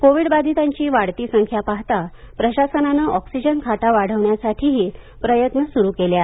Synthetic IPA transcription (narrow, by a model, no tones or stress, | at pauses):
koʋiɽbad̪ʱit̪ãɲt͡ɕiːʋaɽt̪iːsəŋkʰjapaɦt̪a | pɾəɕasənanəʔɔksid͡ʑənkʰaʈaʋaɽ̤əʋɳjasaʈʰiɦiː | pɾəjət̪nəsuɾuːkelja